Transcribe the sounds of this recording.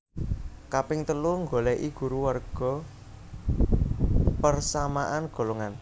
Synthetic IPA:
kapɪŋt̪əluŋɡolɛʔiɡ̥ṳɾuwarɡ̥ɔ̤ | pərsamaʔanɡ̥o̤loŋan

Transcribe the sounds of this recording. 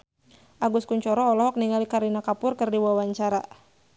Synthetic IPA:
ʔaɡuskuɲt͡ʃɔɾɔːlɔɦɔk̚niŋalikaɾinakapʊrkɨrdiwawaɲt͡ʃaɾa

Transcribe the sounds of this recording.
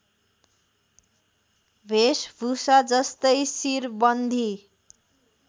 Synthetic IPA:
bʱesbʱusad͡zʌst̪ʌjsirbʌnd̪ʱi

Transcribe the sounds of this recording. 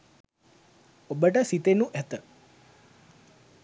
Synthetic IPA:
obəʈəsit̪enuʔæt̪ə

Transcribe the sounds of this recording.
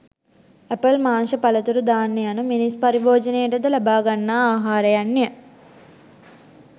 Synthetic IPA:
æpəlmaːnʃəpɐlɐt̪uɾud̪aːnːejanuminispɐɾiboːd͡ʒɐnejəʈəd̪əlabaːɡanːaːaːɦaːɾəjanːejə

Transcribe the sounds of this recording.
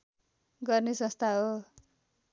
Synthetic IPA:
ɡʌrnesʌ̃st̪ʰaɦo

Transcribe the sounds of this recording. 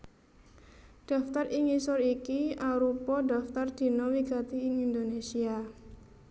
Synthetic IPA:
ɖ̪̥a̤ft̪ariŋisɔrikiaɾupɔda̤ft̪ard̪̥i̤nɔwiɡ̥a̤t̪iɪŋind̪onesia

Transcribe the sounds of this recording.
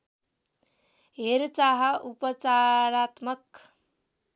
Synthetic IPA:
ɦeɾt͡ʃaɦəʔupət͡ʃaɾat̪mək

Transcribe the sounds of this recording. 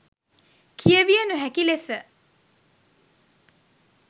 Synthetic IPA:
kʰiəʋijənuɦækilesə

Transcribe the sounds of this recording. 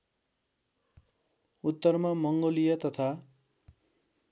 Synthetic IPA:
ut̪ːʌrmamʌŋɡolijʌt̪ʌt̪ʰa

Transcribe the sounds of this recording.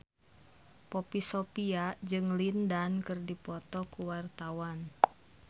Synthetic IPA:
pɔpisɔpiad͡ʒɨŋlindankɨrdipɔt̪ɔkuwart̪awan

